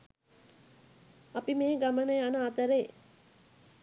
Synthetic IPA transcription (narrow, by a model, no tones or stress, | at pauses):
apimeːɡamənəjanəat̪əɾej